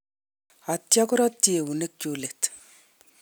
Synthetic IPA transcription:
a˨tja˦kʊ˦ɾɔ˦tːi˦e˨wu˨ne˦k̚t͡ʃo˦le˨t

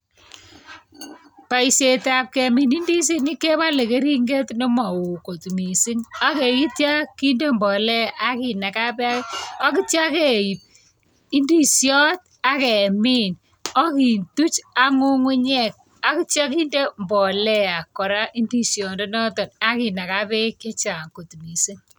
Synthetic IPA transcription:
pa˨i˨se˨ta˨p̚kɛ˨mi˨ni˦ndi˦s̬i˦ni˦ke˦ba˦le˨ke˦ɾi˦ŋɡe˦tnɔ˦ma˨wu˨ko˨tmi˨si˦ŋa˦ke˨ki˦tja˦ki˦nde˦mbɔ˨lɛ˦˨ʔa˦ki˨na˨ka˦pɛ˦a˦kɔ˦ki˦t͡ʃja˦ke˦ji˨p̚ | i˦ndi˦sjɔ˦t̚ | a˦kɛ˨mi˦n | ɔ˦ki˨ntu˦t͡ʃa˦ŋu˦ŋu˦ɲɛ˦˨k̚ | a˦ki˦t͡ʃja˦k̬i˦nde˦mbɔ˨lɛ˦a˨kɔ˨ɾa˦ʔi˦ndi˦sjɔ˨ndo˦nɔ˦tɔ˨na˦ki˨na˨ka˦pɛ˦ke˦t͡ʃa˨ŋko˨tmi˨si˦ŋ

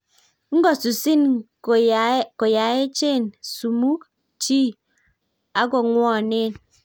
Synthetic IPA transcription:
ŋ̩˦ɡɔ˨su˨si˦n˨ | ko˨ja˨e˦t͡ʃe˦˨nsu˨mu˦k̚ | t͡ʃi˦ | a˦ɡɔ˨ŋwɔ˦˨ne˦˨n

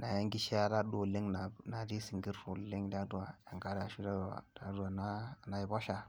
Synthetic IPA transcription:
na˨ja˦ŋɡi˦ʃi˦a˦da˦ɗo˨le˦ŋna˨na˨di˦si˨ŋɡi˦ɾfo˨le˦ŋ˦da˦du˦wa˨ja˨ŋɡa˦ɾa˨ʃu˦da˦du˨wa̰˨da˦du˦a˨na˦na˨ji˨ba˦ʃa˨

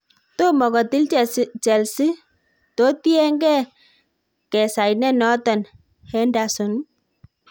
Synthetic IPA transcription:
to˦mɔ˨kɔ˨t̪ɪ˦lt͡ʃɛ˨lsi˦ | t̪o˨˦t̪i˦ɛ˦ŋɡɛ˦˨ | kɛ˨sa˨jnɛ˦˨nɔ˦t̪ɔ˨n | hɛ˦nda˨sʊ˨n

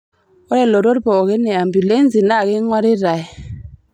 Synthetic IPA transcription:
wo˦ɾe˦˨lo˨ɾo˦bo˨ki˦ne˨a˨mbu˨le˦n˦zi˨na˦˨ki˦ŋwa˦ɾi˦ɾa˨j

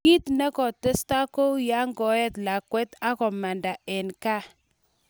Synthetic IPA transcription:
i˦tnɛ˦kɔ˨tə˦sta˦ko˦wja˦ŋɡɔ˨ɛ˦tla˨kwɛ˦ta˦kɔ˨ma˨nda˨ɛ˨nka˦

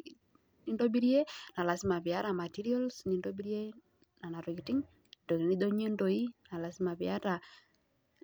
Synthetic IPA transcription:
ni˦ndo˦bi˦ɾi˦e˦na˨la˨si˦ma˨βi˨a˦ɾa˨ma˨ti˦ɾi˦ɔ˦lsni˨ndo˦bi˦ɾi˦e˦ | na˨na˨ɾi˨kti˦ŋ | ndo˨i˨ni˦do˦ɲe˦ndo˨i˦na˨la˨si˦ma˨βia˦ɾa˨

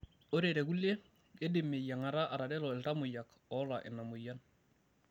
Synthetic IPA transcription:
o˦ɾeɾe˨ku˦le˦ | ɡe˦dɪ˨mːe˨ja˨ŋa˨ɾa˦ʔa˨ɾa˨dɛ˦lɔ˨ɪ˨lta˦mʊ˨ja˨k | ɔ˦la˨ʔɪ̰˨nːa˨mʊ˨ja˦n

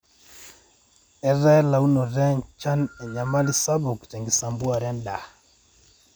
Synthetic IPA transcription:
ɛ˨ɾɛ˦la˨u˦nɔ˨ɾɛ˦ɲt͡ʃa˦nɛ˨ɲa˨ma˦li˦sa˦bu˨kt͡ʃɛ˨ŋɡi˨sa˨mbu˦a˨ɾɛ˦nda˨

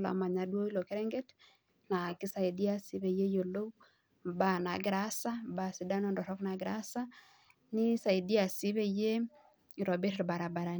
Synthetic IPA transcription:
la̰˨ma˨ɲa˨do˦i˦lo˨ke˦ɾɛ˦ŋɡe˦t | na˨ki˦sa˨i˨di˦a˦si˨˦be˨je˦jo˨lo˦w | ba˨na˨ɡɪ˦ɾa˦sa˦mba˨si˨da˦nɔ˦ndɔ˨ɾɔ˦kna˨ɡɪɾa˦sa˦ | ni˦sa˨i˨di˦a˨si˦be˦je˦˨ | ɾɔ˨bɛ˦ɾɾba˨ɾa˨ba˨ɾa˨

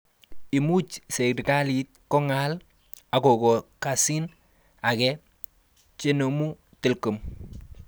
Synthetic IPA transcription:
ɪ˨mu˦t͡ʃse˨dka˦li˨t̪̚kɔ˦ŋa˦l | a˨ko˨kɔ˨ka˨si˦n | a˨kɛ˦ | t͡ʃe˦no˨mu˦ | tɪ˨lko˨m

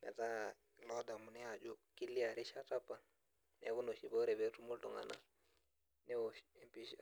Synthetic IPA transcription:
nɛ̰˨ta˦ | lɔ˦da˨mu˨nɛ˦a˨d͡ʒo˦ki˦li˦a˨ɾi˦ʃa˦ta˦pːa˨ | nɛ̰˨˦ku˦no˨ʃi˨bo˦ɾɛ˨βɛ˦tu˦mo˦ltɔ˨ŋa̰˨na̰˦ | nɛ˦o˨ʃɛ˦mpi˦ʃa˨

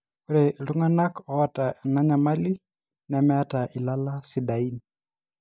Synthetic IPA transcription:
u˦ɾɛ˨lu˦ŋana˦kɔ˦ata˨na˦ɲa˨ma˦li˦ | na˨mɛ˦a˦ta˨ʔɪ˨la˦la˦si˨da˨i˦ni

